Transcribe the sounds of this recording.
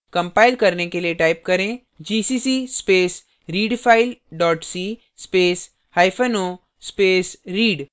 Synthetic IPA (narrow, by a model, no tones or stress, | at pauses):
kɐ̃mpaːɪlkɐɾnekelieʈaːɪp̚kɐɾẽ | d͡ʒiːsiːsispeːs | ɾiːɖpʰaːɪlɖɔːʈsiː | speːs | haːɪfʰəno | speːsɾiːɖ